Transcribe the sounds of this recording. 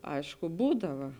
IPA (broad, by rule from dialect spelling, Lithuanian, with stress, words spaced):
ˈɐɪʃkʊ ˈbuːdɐʋɐ